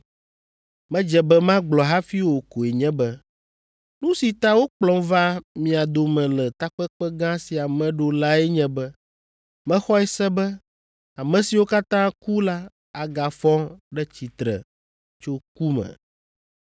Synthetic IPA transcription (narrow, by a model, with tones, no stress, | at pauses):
mɛ̃˦d͡ʒɛ˨bɛ˦mã˦ɡ͡blɔ˨ɦa˦fi˦wo˨ko˨ɛ˨ɲɛ̃˦bɛ˦ | nũ˦si˨t̪a˦wo˦k͡plɔ̃˦mva˦mĩ˨a˨d̪o˨mɛ̃˨lɛ˨t̪a˦k͡pɛ˦k͡pɛ˦ɡã˦si˨a˨mɛ̃˨ɖo˨la˦ɛ˦ɲɛ̃˦bɛ˦ | mɛ̃˦xɔ˦ɛ˦sɛ˦bɛ˦ | a˨mɛ̃˨si˨wo˦ka˦t̪ã˦ku˦la˦ | a˨ɡa˨fɔ̃˦ɖɛ˦t͡ɕi˨t̪ɾɛ̰˨ | t͡ʃo˦ku˦mɛ̰̃˨